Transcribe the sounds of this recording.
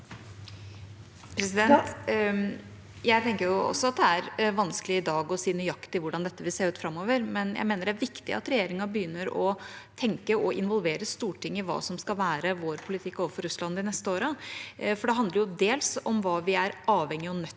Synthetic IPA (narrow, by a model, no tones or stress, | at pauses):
pʰɾɛsɪd̪ɛnt̪ | jæɪt̪ʰɛŋkəɾjʊɔ̰sːɔɑt̪̚d̪ɛæɾʋɑnskəlɪɪd̪ɑːɡɔsiːnyːjɑkt̪ɪʋʊɖɑnd̪ɛt̪ːəʋɪlseːɾʉːt̪fɾɑmːoːʋəɾmɛnjæ̰ɪmeːnəɖɛæɾʋɪkt̪ɪ̰ɑ̰t̪ɾɛjeːɾɪŋɑbəjʏnːəɾɔt̪ʰɛŋkəɔɪnʋɔlʋeːɾəst̪uːʈʰɪŋːəɪʋɑ̰ːsɔmskɑlʋæːɾəʋoːɾpʰʊlɪt̪ʰɪkːoːʋəfɔɾʉslɑnd̪ɪnɛst̪əoːɾəfɔɖɛɦɑnd̪əɾjʊd̪eːlsɔmʋɑːʋɪæɾɑːʋɛŋːɪɔnœt̪ː